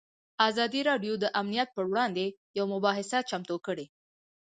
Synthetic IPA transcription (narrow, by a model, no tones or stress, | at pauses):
ɑzɑd̪iɾɑɖjod̪əʔamnijat̪̚pəwɽɑnd̪ejawmʊbɑɦɪsat͡ʃamt̪okəɽe